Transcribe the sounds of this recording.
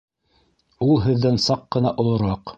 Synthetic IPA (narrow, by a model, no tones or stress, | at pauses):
ulˠɦɘ̆ðːænsɑqːɤ̆nɑʔŏlˠŏɾɑq